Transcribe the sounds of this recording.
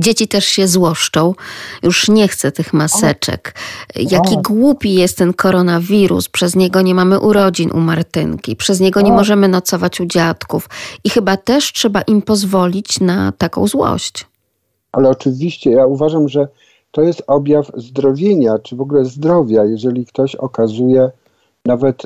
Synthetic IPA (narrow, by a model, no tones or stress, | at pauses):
d͡ʑet͡ɕit̪ɛʂɕɛzwɔʂt͡ʂɔ̃w̃juʂɲɛxt̪sɛt̪ɘxmasɛt͡ʂɛ̰kjakʲiɡwupʲijɛst̪ːɛnkʰɔɾɔnavʲiɾṵspʂɛzɲɛɡɔɲɛmamɘʔuɾɔd͡ʑinʔṵmaɾt̪ɘ̰ŋkʲḭpʂɛzɲɛɡɔɲɛmɔʐɛmɘnɔt̪sɔvat͡ɕud͡ʑat̪kufixɘbat̪ɛʂtʂɛbaʔimpɔzvɔlʲit͡ɕnat̪akɔ̰̃w̃zwɔ̰ɕt͡ɕ | alɛɔt͡ʂɘvʲiɕt͡ɕɛjauvaʐamʐɛ | t̪ɔjɛst̪ɔbʲjafzd̪ɾɔvʲjeɲat͡ʂɘvɔɡulɛzd̪ɾɔvʲjajɛʐɛlʲikt̪ɔɕɔkazujɛ | navɛt̪